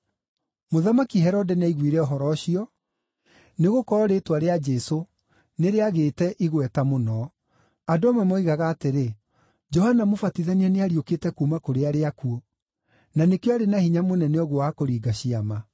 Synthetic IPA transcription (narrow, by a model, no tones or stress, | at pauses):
moðamakiɦɛɾɔdɛnaiɣwiɾɛɔɦɔɾɔːɕiɔ | neɣokɔɾɔɾetwaɾead͡ʒɛso | neɾeaɣeːtɛʔiɣwɛtamonɔ | adoɔmwɛmoiɣaɣaːteɾe | d͡ʒɔhanamofatiðaniɛneaɾioketɛkumakoɾeaɾeakuo | nanekjɔaɾenahiɲamonɛneɔɣwowakoɾiːɡaɕiama